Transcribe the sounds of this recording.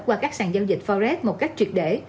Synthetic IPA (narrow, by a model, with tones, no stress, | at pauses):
kwaː˧kaː˦˥k̚saː˧˨˩ŋzaː˧wzï˨˩k̟̚fɔ˧zɛ˦˥t̚mo˨˩t̚ka˦˥jk̟̚t͡ɕwi˨˩ət̚ɗḛ˧˩